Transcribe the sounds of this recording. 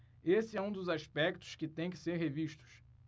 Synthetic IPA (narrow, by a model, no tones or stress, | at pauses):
esɪɛũd̪ʊzaʃpɛk̚t̪ʊ̥ʃkɪt̪ẽj̃k̬ɪ̥seɾɦeviʃt̪ʊ̥ʃ